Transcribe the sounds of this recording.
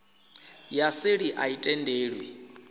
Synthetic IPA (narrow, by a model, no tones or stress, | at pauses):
jaseɺiʔaitʼɛndeːɺwi